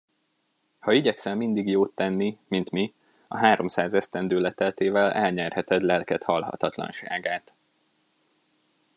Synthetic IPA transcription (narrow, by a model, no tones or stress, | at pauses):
hɒiɟɛksɛmːind̪iɡjoːt̪ːɛnːimint̪mi | ɒ̰ɦaːɾo̞msaːzɛst̪ɛnd̪øːlɛt̪ɛlt̪eːvɛlɛlɲɛrhɛt̪ɛd̪lɛlkɛt̪hɒlɦɒ̰t̪ɒt̪lɒ̰nʃa̰ːɡaːt̪